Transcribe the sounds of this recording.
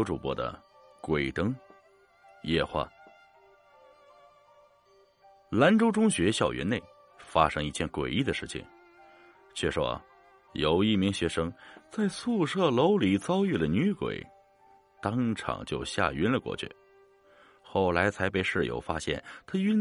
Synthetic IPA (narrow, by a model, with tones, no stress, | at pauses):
ʊʈ͡ʂu˨˩pwɔ̰˧˥d̪ə̰˧kwe˨˩ɪt̪ɤ˥ŋ | jɛ̰˥˧xwa̰˥˩ | la˧˥nʈ͡ʂo˥ʊʈ͡ʂʊ˥ŋɕɥɛ˧˥ɕjɑ˨˩ʊɥʔɛ̰˧˥ne˥˩ɪ | fa̰˥ʂɤ˥ŋi˥˩t͡ɕʰjɛ˥˩nkwḛ˨˩ɪi˥˩d̪ə˩ʂɻ̩˥˩t͡ɕʰḭ˨˩˦ŋ | t͡ɕʰɥɛ˥˩ʂwɔ̰˥ | jo˨˩ʊi˥˩mi˧˥ŋɕɥɛ˧˥ʂɤ˥ŋt͡sa˥˧ɪsu˥˧ʂɤ˥˩lo˧˥ʊli˨˩t͡sɑ˥ʊy˥˩lə˩ny˧˥kwḛ˨˩˦ɪ | t̪ɑ˥ŋʈ͡ʂʰɑ̰˨˩ŋt͡ɕjo˥˧ʊɕja̰˥˩y˥nlə˨kwɔ̰˥˧t͡ɕʰy̰˥˩ | xo˥˩ʊla˧˥ɪt͡sʰa˧˥ɪpe˥˧ɪʂɻ̩˥˩jo̰˧˥ʊfa˥ɕjɛ̰˥˩nt̪ʰa˥y˥n